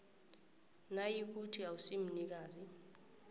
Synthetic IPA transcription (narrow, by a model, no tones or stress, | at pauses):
najik̬utʰiawusim̩nik̬aːzi